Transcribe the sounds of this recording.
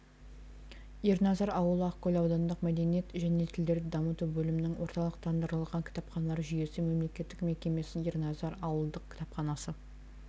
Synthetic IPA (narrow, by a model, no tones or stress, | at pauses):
ernɑzɑɾɑwəlˠəɑqkʲʰɵlʲɑwd̪ɑnd̪əqmæd̪e̞nije̞t̪ʒæne̞t̪ʰɪld̪e̞ɾd̪ɪd̪ɑmət̪uwbɵlɪmɪnɪŋwʔo̞ɾt̪ɑlˠəq̚t̪ʰɑnd̪əɾəlˠʁɑŋkʲʰɪ̥t̪ɑpχɑnɑlˠɑɾʒʏje̞sɪme̞mle̞kʲe̞t̪ːɪkme̞kʲe̞me̞sɪnernɑzɑɾɑwəlˠd̪əq̚kʰʲɪ̥t̪ɑpχɑnɑsə